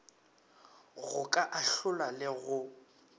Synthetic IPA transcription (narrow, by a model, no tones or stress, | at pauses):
ɣʊkʼaʔaɬʊlalɪɣʊ